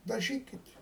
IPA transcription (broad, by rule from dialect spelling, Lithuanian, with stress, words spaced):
dɐˈʒʲiːkʲɪt